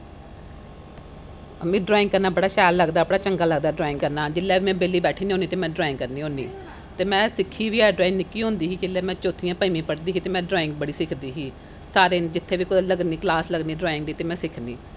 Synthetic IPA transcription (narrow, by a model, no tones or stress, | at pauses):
mẽːɖɾaːɪ̃ŋɡ̚kəɾnaːbəɽaːʃɛːjlːəɡd̪aːəpɽaːt͡ʃəŋɡaːləɡ̚d̪aːɖɾaːɪ̃ŋɡkəɾnaːd͡ʒɪlːɛːbiːmɛ̃ːbeːliːbɛːʈʰiːniɦoːniːt̪eːmɛ̃ːɖɾaːɪ̃ŋɡkəɾniːɦõːnḭː | t̪eːmɛ̃ːsɪkʰːiːʋiːɛːɖɾaːɪ̃ŋnɪkːiːɦõːnd̪iːɦiːd͡ʒɪlːɛːmɛ̃ːt͡ʃoːt̪ʰːijãːpəimĩːpəɽd̪iːɦiːt̪eːmɛ̃ːɖɾaːɪ̃ŋɡbəɽiːsɪkʰd̪iːɦiː | saːɾeːnd͡ʒɪt̪ʰːeːʋiːkʊləɡniːklaːsləɡniːɖɾaːɪ̃ŋɡd̪iːt̪eːmɛ̃ːsɪkʰnḭː